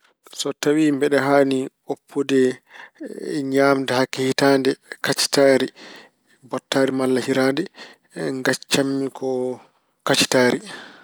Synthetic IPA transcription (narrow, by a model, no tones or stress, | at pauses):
sɔtawimbɛɗɛɦaːni | opʰːudɛ | ɲaːmdɛhakːɛhitandɛkat͡ʃi̥taːɾi | bɔtːaːɾimalːahiɾaːndɛ | ŋɡat͡ʃːamːikʰɔ | kat͡ʃi̥taːɾi